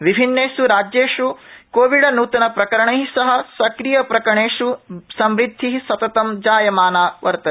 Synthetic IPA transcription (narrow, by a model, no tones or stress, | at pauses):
ʋibʱinːeːsuɾaːd͡ʒjeːʂukoːʋiɖɐnuːt̪ɐnɐpɾɐkɐɾɐɳɐɦisɐɦɐ̆sɐkɾijɐpɾɐkɾɐɳeːʂusɐmɾid̪ʱːiɦisɐt̪ɐt̪ɐmd͡ʒaːjɐmaːnaːʋɐɾt̪ɐ